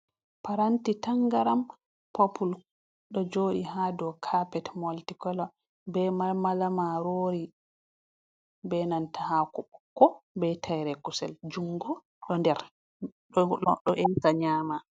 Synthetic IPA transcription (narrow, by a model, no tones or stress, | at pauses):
paɾantitaŋɡaɾam | popul | ɗɔd͡ʒoːɗiɦadɔkʰapɛtmoltikɔlɔ | bɛmamalamaɾoɾi | bɛnantahakuɓɔkːɔbɛtʰajɾɛkusɛ̰ld͡ʒuŋɡɔ | ɗɔndɛɾ | ɗɔʔɛntaɲaːma